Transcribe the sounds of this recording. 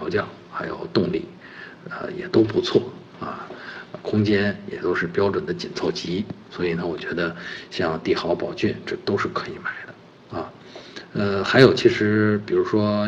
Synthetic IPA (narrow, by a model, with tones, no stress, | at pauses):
ʊt͡ɕjɑ˥˩ʊ | xa˧˥ɪjo̰˨˩ʊt̪ʊ˥˧ŋlḭ˥˩ | ə̰˧˩jɛ̰˨˩t̪o˥ʊpu˧˥t͡sʰwɔ˥˩ | ɐ̰˧kʰʊ˥ŋt͡ɕjɛ˥njɛ̰˨˩t̪o˥ʊʂɻ̩˥˩pjɑ˥ʊʈ͡ʂwə˨˩nd̪ə˦t͡ɕi˨˩nt͡sʰo˥˩ʊt͡ɕi˧˥swɔ˧˥i˨˩nə˧˦wɔ˨˩t͡ɕɥɛ˧˥d̪ə˧ɕjɑ˥˧ŋt̪i˥˩xɑ˧˥ʊpɑ˨˩ʊt͡ɕy˥˩nʈ͡ʂɤ˥˩t̪o˥ʊʂɻ̩˥˩kʰɤ˧˥i˨˩ma˨˩˦ɪd̪ə˧ | a˧ | ə˧xa˧˥ɪjo˨˩ʊt͡ɕʰi˧˥ʂɻ̩˧˥pi˨˩ɻu˧˥ʂwɔ˥